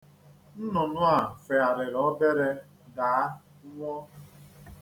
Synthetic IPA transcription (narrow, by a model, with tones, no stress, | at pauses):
n̩˦nʊ˨nʊ˦a˨fe˨a˨ɾɪ˨ɾɔ˦be˦ɾe˦ | daː˨˦ | ŋʷɔ˦